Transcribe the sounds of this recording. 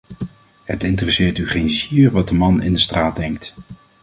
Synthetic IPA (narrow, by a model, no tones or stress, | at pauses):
ɦətɪntərɛsɪːɹtyχejnziːɹʋɑt̚dəmɑnɪ̰ndəstraːd̚dɛŋk̚t